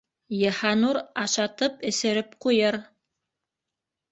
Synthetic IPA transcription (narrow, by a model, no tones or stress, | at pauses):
jɤ̆hɑnuɾɑʃɑt̪ɤpɘ̆sɘ̆ɾɘp̚qujɤɾ